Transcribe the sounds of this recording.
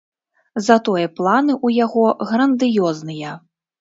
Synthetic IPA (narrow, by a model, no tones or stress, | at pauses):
zɐt̪ɔjɐplˠanɨʔujaɣɔɣɾɐnd̪ɨjɔznɨjɐ